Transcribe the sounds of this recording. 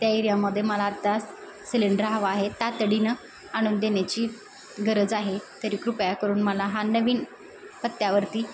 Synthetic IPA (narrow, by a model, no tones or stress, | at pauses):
t̪jaiɾjamːəd̪ʱːjeməlaːt̪ːa | sileɳɖəɾɦaʋaːɦet̪at̪əɽinə | aɽ̃uːnd̪enjat͡ɕiː | ɡʱəɾəd͡zaɦet̪əɾiːkɾupjakəɾuːnməlaɦanəʋiːn | pət̪ːjaʋəɾt̪iː